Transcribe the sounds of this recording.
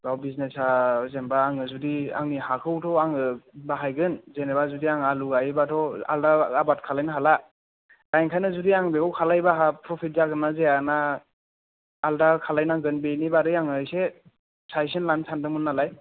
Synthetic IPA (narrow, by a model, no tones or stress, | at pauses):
bawbiznesazembaːŋɯzudia̰ŋnihakʰɯwtʰɔaŋɯbaɦajɡɯnzenebazudiaŋaluɡajbatʰɔa̰ldaabat̚kʰalajnaɦala | dajŋkʰajnɯzudiaŋbeawkʰalajbaɦapʰɾɔpʰit̚zaɡɯnːazeana | ldakʰalajnaɡɯnbenibaɾɯjaŋɯjse | sajs̬enlansʰandɯmɯnːalaj